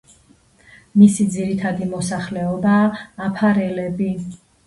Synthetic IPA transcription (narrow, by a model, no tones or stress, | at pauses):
misid̪ziɾit̪ʰad̪imɔsaχlɛɔbaːpʰaɾɛlɛbi